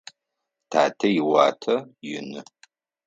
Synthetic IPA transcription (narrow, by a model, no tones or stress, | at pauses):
tʰaːtʰɐjɪwaːtʰɐjɪnɨ